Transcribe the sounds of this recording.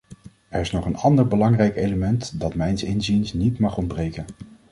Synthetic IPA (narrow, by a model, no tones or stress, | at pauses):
ɛɹɪsnɔχənɑndəɹbəlɑŋrɛjkejləmɛntdɑtmɛjnsɪnzinsnitmɑχɔnd̚brejkən